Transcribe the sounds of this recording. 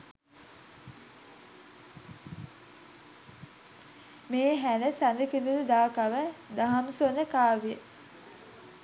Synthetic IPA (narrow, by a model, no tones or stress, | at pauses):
meːɦænəsanəkind̪ud̪əd̪aːkaʋəd̪aɦamsonəkaːʋijə